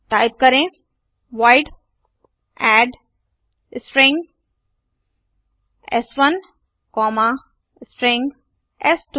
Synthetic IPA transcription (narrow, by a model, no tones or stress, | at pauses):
ʈaːɪp̚kɐɾẽ | ʋaːɪɖ | ɛːɖ | spɾẽŋɡ | ɛ̰sʋɐn | kɔːmã | sʈɾẽŋɡ | ɛsʈ